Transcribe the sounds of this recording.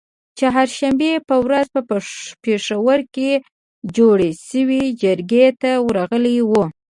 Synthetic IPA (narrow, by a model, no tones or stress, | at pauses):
t͡ʃaɦaɾʃambepəwɾazpəpeʂawəɾke | d͡ʒoɽeʃəwid͡ʒəɾɡet̪awɾaɣəliwu